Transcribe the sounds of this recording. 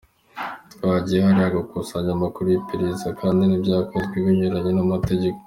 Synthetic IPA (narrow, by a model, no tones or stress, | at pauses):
twaɟijehaɾaɡakusaɲamakuɾipiɾizakʰaːndinibɟaːkotɡiβuɲuɾaɲenamate̞ɟe̞ko